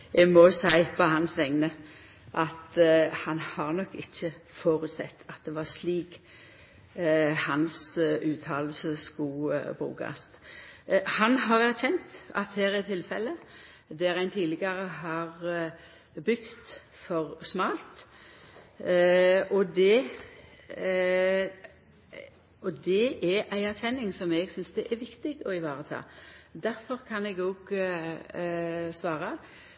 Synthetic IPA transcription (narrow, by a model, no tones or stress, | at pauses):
ɛmɔsæɪpɔhɑnsʋɛŋnə | ʔɑt̪hɑnhɑʁnɔkːɪçːəfoːɾʉt̪sɛ̰t̪ʰːɑt̪̚d̪ɛʋɑʁsliːk | hɑnsʉːt̪ʰɑːll̩səskuːbʁʉ̰ːkɑ̰s | hɑnɦɑʁæʁçɛnt̪ɑ̰t̪hæːɾɛt̪ʰːɪlfɛlːə | d̪æɾæɪnt̪ʰiːlɪɡɑɾəɦɑʁ | bʏkt̪ | fɔɾsmɑːlt̪ | ɔd̪ɛ | ɔd̪ɛʔɛæɪæʁçɛnːɪŋsɔmɛɡsʏnsd̪ɛʔɛɾʋɪkt̪ɪɡɔɪʋɑːʁət̪ʰɑ̰ːd̪æɾfɔʁkʰɑnɛɡoːɡ | sʋɑːʁɑ